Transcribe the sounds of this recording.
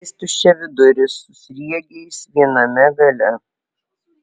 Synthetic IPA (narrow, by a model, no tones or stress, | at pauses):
sʲt̪ʲʊt͡ʃʲɛʋʲɪd̪ʊɾʲɪsʊsʲɾʲiɛɡʲɛɪsʋʲiɛnɐmʲɛɡɐlʲɛ